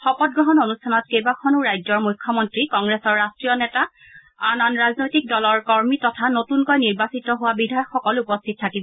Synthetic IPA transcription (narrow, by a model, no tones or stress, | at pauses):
xɔpɔt̚ɡɹɔɦɔnonustʰanɔt̚kejbakʰɔnuɹajd͡ʒɔɹmujkʰːɔmɔntɹikɔŋɡɹesɔɹːastɹijɔnɛta | ananɹaznojtik̚dɔlɔɹkɔɹmitɔtʰanotunkɔjniɹbasitɔɦʊwabidʱajɔkxɔkɔlupɔstʰit̚tʰːakibɔ